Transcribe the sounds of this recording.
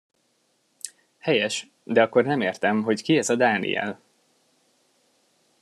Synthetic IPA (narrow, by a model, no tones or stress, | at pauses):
hɛjɛʃ | d̪ɛɒkːo̞rnɛmeːrt̪ɛmɦo̞ckiɛzɒd̪aːnḭɛ̰l